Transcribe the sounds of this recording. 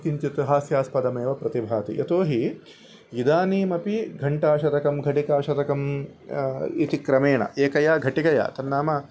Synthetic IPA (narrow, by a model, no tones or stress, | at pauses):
k̪iɲt͡ʃit̪uɦaːsjaːspɐd̪ɐmeːʋɐpɾɐt̪ibʱaːt̪ḭjɐ̰t̪oːɦi | id̪aːniːmɐpiɡʱɐɳʈaːʃɐd̪ɐkɐmɡʱɐʈikaːʃɐd̪ɐkɐm | it̪ikɾɐmeːɳɐ̰ʔeːkɐjaːɡʱɐʈikɐja̰ːt̪ɐnːaːmɐ